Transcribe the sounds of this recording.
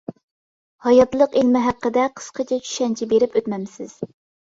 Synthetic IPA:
hɑjɑt̪lˠəqelmɪɦæqːəd̪ɛqʰə̥sqʰət͡ʃʰɛt͡ʃʰy̥ʃɛnt͡ʃʰibeɾɪpøt̪mɛmsɪz̥

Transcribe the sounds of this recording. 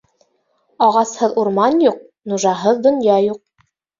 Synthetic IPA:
ɑʁɑshɤðuɾmɑnjuq̚ | nuʒɑɦɤðd̪ŏnjɑjuq̚

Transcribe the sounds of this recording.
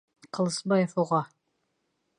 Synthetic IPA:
qɤ̆lˠɤ̆sbɑjefuʁɑ

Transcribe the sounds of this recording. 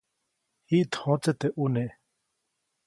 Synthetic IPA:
hiːt̪ʰɔ̃ːt͡set̪eʔune

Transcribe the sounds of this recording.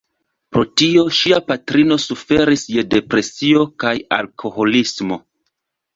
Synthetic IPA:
pɾo̞tio̞ʃiapatɾino̞sufe̞ɾisje̞de̞pɾe̞sio̞kaja̰lkʰo̞ho̞lismo̞

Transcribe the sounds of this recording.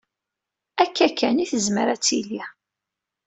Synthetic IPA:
ækːækːæniθəzməɾæt͡sːili

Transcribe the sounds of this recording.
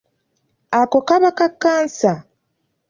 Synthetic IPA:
akokaβakakːaːnsa

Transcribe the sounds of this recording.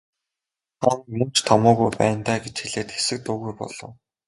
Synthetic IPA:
χanmɵn̥t͡ɕt̪ʰɔmʊːɣujpæ̰ːnt̪æːɡet͡ɕxiɮeːt̪xe̥sɘ̆k̚t̪uːɣujpɔ̰ɮ̥ɞ̆w

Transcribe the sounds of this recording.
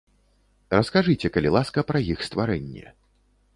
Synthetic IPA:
rɐskaʐɨt͡sʲɛkɐlʲilˠaskɐpɾɐjixst̪vaɾɛnʲːɛ̰

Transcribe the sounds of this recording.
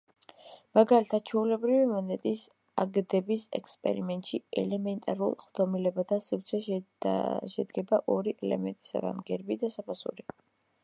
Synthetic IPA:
maɡalit̪ʰat̪̚t͡ʃʰɛulɛbɾivimɔnɛt̪ʼis | aɡd̪ɛbisɛ̰kspʼɛ̰ɾimɛnt̪ʼʃiɛ̰lɛmɛnt̪ʼaɾulˠχd̪̥ɔmilɛbad̪ʰasiɾt̪sʰɛ | ʃɛd̪ɡɛbaʔɔɾiʔɛlɛ̰mɛnt̪ʼi̥sa̰ɡa̰nɡɛɾbid̪asapʰasṵɾi

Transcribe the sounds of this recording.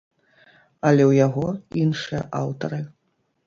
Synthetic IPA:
ɐlʲɛwjaɣɔinʂɨjɐ̰ʔawt̪ɐɾɨ

